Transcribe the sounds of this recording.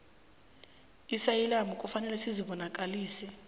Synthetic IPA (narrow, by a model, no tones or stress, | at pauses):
isajɛlamukʼufanɛlɛsiziɓɔnakʼaliːsi